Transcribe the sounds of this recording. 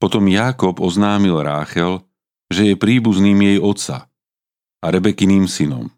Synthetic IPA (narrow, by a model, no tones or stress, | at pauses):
pɔt̪ɔmjaːkɔbɔznaːmilɾaːxɛl | ʒɛjɛpɾiːbuzniːmjɛjɔt̪sa̰ | aɾɛbɛkiniːmsinɔ̰m